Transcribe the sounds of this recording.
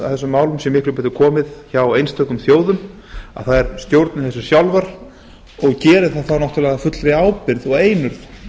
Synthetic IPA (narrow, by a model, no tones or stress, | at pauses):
a̰θɛsːʏmːaːwlʏmsɛmɪkɾɪɾp̬ɛːt̪ʏkʰɔːmɪðçawejnst̪ʰœkʏmθjoːwðʏm | a̰ðθaðɛɾst̪jowɾt̪nʏmθɛsːʏ̥sjawlvaɾ̥ | ɔɣcɛːɾɪðθaðθanɔht̪ʏɾlɛːɣðafʏt̪lɾɪaːwpɪɾðɔɣeːjnʏɾθ